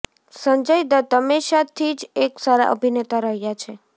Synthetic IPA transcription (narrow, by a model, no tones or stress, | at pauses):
səɲd͡ʒəjd̪ət̪əmeʃat̪ʰid͡ʒeksaɾa̰ʔə̰bʱinet̪aɾəɦjat͡ʃʰe